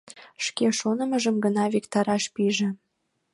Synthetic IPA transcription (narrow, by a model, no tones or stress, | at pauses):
ʃkeʃonəməʒəmɡənɑβekt̪ɑɾɑʃpiʒĕ